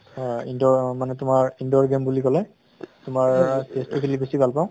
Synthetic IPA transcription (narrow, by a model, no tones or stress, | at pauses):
indɔmanɛtʊmaɹindɔɹɡembulikɔlɛ | tʊmaɹsistikʰilibesibʱalpaʊ̃